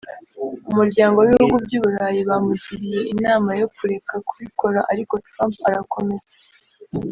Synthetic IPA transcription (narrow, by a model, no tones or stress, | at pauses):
umuɾɟaːŋɡo̞βihuɡubɟuːβuɾaːjiβamuciɾije̞ʔinaːmajo̞kuɾe̞kakuβikʰo̞ɾaʔaɾiko̞tɾaːmpaɾako̞me̞ze̥